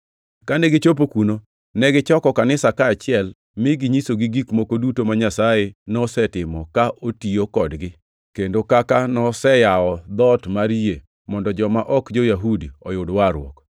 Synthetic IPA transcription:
kanɛɡɪt͡ʃop̬okuno | nɛɡɪt͡ʃɔkɔkanɪsakaːt͡ʃɪɛl | mɪɡiɲisoɡiɡikmokodutomaɲasajenɔsɛtɪmɔkaʔotiokɔdɡɪ | kendokakanɔsɛjaɔd̪ɔtmaɾie | mɔndɔd͡ʒɔmaʔɔkd͡ʒojaɦudiɔjʊdwaɾwɔ̰k

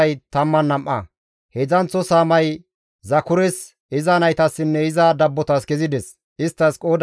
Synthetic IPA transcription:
ɐjt̪ɐmːɐnːɐmʔɐ̰ | hɛzɐnt͡sːɔsaːmɐj | zɐkʊɾɛs | ɪzɐnɐjt̪ɐsːɪnːɛɪzad̪ɐbːɔt̪ɐskɛzɪd̪ɛs | ɪst̪ːɐskʼo̞ːd̪

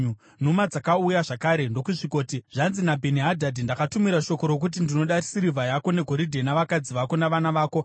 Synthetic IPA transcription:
u | numad͡zakaujaʐakaːɾe̞ndo̞kuʐiko̞ːtiʐanzinabʱeniɦadʱadindakatumiɾaʃo̞ko̞ɾok̬ut̬indino̞ɗarisiɾivʱajako̞ne̞ɡʱo̞ɾidʱe̞naʋakad͡ziʋako̞naʋanaʋaːko̞

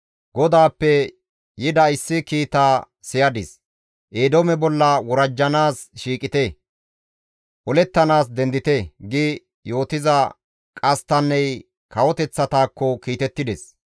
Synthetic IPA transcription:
ɡɔd̪aːpːɛ | jɪd̪ɐɪsːɪkiːt̪aː | sɪjɐd̪ɪs | ʔeːd̪ɔmɛbɔlːɐwɔɾɐd͡ʒːɐnaːsʃiːkʼɪt̪e | ʔɔlɛt̪ːɐnaːs̬d̪ɛnd̪ɪt̪eɡɪ | jo̞ːt̪ɪzɐ | kʼɐst̪ɐnːɛj | kɐwɔt̪ɛt͡sːɐt̪aːkːɔkiːt̪ɛt̪ːɪd̪ɛs

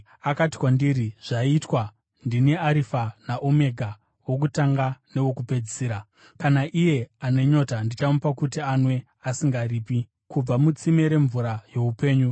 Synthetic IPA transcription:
akati̥kwandiɾiʐ̥aitwa | ndiniaɾifanaʔome̞ɡʱa | wo̞k̬utaŋɡane̞wo̞kupe̞d͡ziɾa | kanaʔije̞ane̞ɲo̞tandit͡ʃamupakutianwe̞ | asiŋɡariːpi | kub͡vamut͡sime̞ɾe̞ɱvuɾaje̞upe̞ːɲu

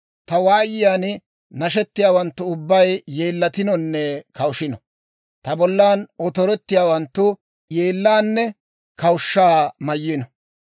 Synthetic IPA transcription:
t̪ɐwaːjɪjaːn | nɐʃɛt̪ːɪjaːwɐnt̪ːʊʊbːɐjjeːlːɐt̪ɪnɔnːɛkɐwʃɪnɔ | t̪ɐbɔlːaːnɔt̪ɔɾɛt̪ːɪjaːwɐnt̪ːʊ | jeːlːaːnːɛ | kɐwʊʃːaːmɐjːɪnɔ

